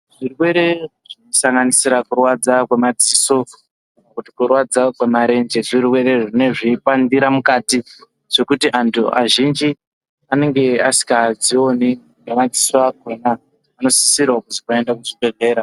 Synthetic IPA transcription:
ʐ̥irwe̞ɾe̞ʐinosaŋɡanisiɾakurwad͡zakwe̞mad͡ziso̞ | nakutikurwad͡zakwe̞maɾe̞nd͡ʒeʐirwe̞ɾe̞ʐine̞ʐipandiɾamukati | ʐ̥e̞kutiʔantʰua̰ʒind͡ʒi | ane̞ŋɡe̞asi̥kad͡zio̞ni | ŋɡemad͡zisoakenaː | no̞siisirwakuzikoendakuʐibe̞ɮe̞ːɾa

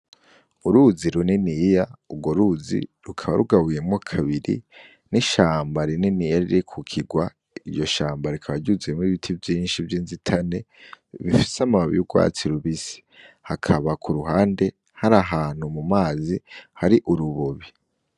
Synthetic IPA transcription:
uɾuziɾunenijauɡo̞ɾuzḭɾukʰaβa̰ɾuɡaβujemŋokʰaβiɾḭ | niʃaːmbaɾineniːjaɾiɾekʰukʰiɡwa | ijo̞ʃaːmbaɾikʰaβaɟuziemwiβitʰivjiːnʃivjiːnzitʰane̞βifi̥samaβḭjuɡwa̰ːt͡siɾuβisi̥ | hakʰaβakʰuɾuɦaːnde̞ | haɾaɦaːn̥humumaːzihaɾiʔuɾuβoβi

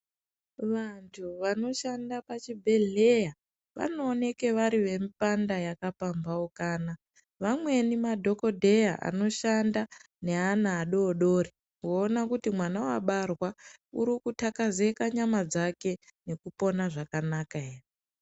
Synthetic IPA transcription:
ʋantʰuʋano̞ʃandapat͡ʃibʱe̞ɮe̞ja | ʋa̰no̞ːne̞ke̞ʋaɾiʋe̞mpandajakapambaokaːna | ʋamwe̞nimadʱo̞ko̞dʱe̞jaʔa̰no̞ʃanda | ne̞anaːɗo̞ːɗo̞ːri | ŋoːnakutimwanawaɓarwauɾikutakaze̞kaɲamad͡zake̞ne̞kupo̞naʐakanakaere

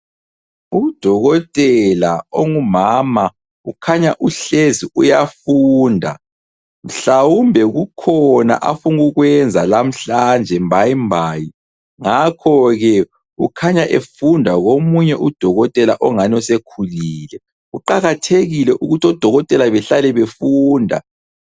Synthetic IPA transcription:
ud̥ʱɔɣɔtʼɛlaoŋumaːma | ukʰaɲaʔuɬeziujafuːndʱa | m̩ɬawumbʱɛɣukʰɔna̰ʔafuŋɣuɣwɛnd͡zʱalam̩ɬand͡ʒʱɛmbʱajimbʱaːji | ŋakʰɔɣɛ | ukʰaɲaʔefundʱaɣomuɲɛʔud̥ʱɔɣɔtʼɛlaʔɔŋanɔsekʰuliːlɛ | uǃaɣatʰeɣilɛʔuɣutʰiɔd̥ʱɔɣɔtʼɛlaβɛɬalɛβefuːndʱa̰

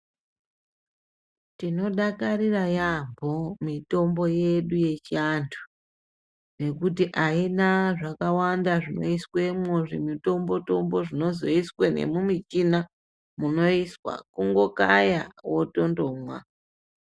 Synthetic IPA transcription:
tino̞ɗakarirajambʱo̞mito̞mbo̞je̞ɗuje̞t͡ʃiandʰu̥ | ne̞kutiʔainaʐakawandaʐino̞̰iswe̞mwoʐimito̞mbo̞to̞mbo̞ʐino̞zo̞iswene̞̰mumit͡ʃina | muno̞iswa̰kuŋɡo̞ka̰ja̰woto̞ndo̞mwa̰

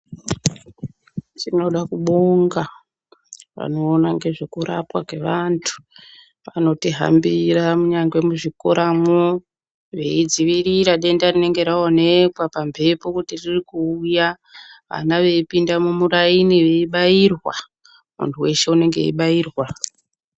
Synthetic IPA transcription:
tino̞ɗakuɓoŋɡa | ʋa̰no̞ːnaŋɡe̞ʐekuɾa̰pwake̞ʋantʰu̥ | pano̞tiɦa̰mbiramuɲaŋɡwe̞muʐikoɾamo | ʋe̞id͡ziʋiɾiɾaɗe̞ndarine̞ŋɡe̞ɾaone̞kwapampʰe̞pokutiririkuːja | ʋa̰naʋe̞ipindamumurainiʋe̞iɓajirwa | mṵntʰuwe̞ʃe̞une̞ŋɡe̞̰ḭɓaiːrwa

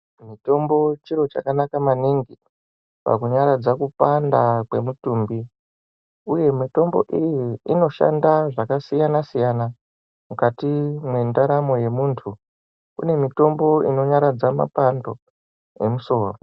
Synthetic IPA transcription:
mito̞mbo̞t͡ʃiɾo̞t͡ʃa̰kanakamaniŋɡi | pa̰kuɲaɾad͡zakupandakwe̞mutuːmbi | uje̞mito̞mbo̞̰ʔijiino̞ʃa̰ndaʐakasijanasijana | mukatimwe̞ndaɾamo̞je̞muːntʰu | kṵne̞mito̞mbo̞ino̞ɲaɾad͡zama̰pando̞ | e̞muso̞ːro

